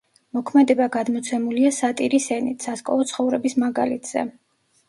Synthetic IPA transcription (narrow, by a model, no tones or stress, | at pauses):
mɔkʰmɛd̪ɛbaɡad̪mɔt̪sʰɛmuliasat̪ʼiɾisɛnit̪ʰsaskʼɔ̰vɔt̪sʰχɔvɾɛbismaɡa̰lḭt̪ʰz̥ɛ̰